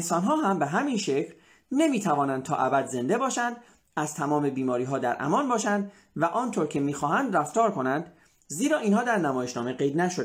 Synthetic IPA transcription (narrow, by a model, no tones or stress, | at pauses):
ensɒːnɦɒːɦæmbeɦæminʃe̞cʰl | ne̞miːt̪ʰævɒːnænd̪t̪ʰɒ̰ːʔæbæd̪ze̞nd̪e̞bɒːʃænd̪ | æzt̪ʰæmɒːme̞biːmɒːɾiːɦɒːd̪æɾʔæ̰mɒnbɒːʃænd̪ | væʔɒːnt̪ʰoːɾcʰemiːxɒːɦænd̪ræft̪ɒːɾkʰo̞nænd̪̥ | ziːɾɒːʔiːnɦɒːd̪æɾnæmɒːjeʃnɒːme̞ɡe̞jd̪næʃod̪